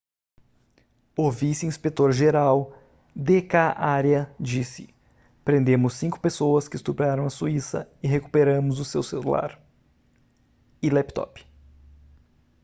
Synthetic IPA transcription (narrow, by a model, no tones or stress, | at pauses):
ʊvisɪĩspet̪oɾʒeɾaw | d̪ekaʔaɾjɐd͡ʒisɪ | pɾẽnd̪ẽmʊsːĩŋkʊ̥pesowɐskɪːst̪upaɾɐ̃w̃ɐsuisɐ̰ɪɦeku̥peɾɐ̃mʊzʊsewselṵla̰ɾ | ɪlɛpt̪ɔ̰p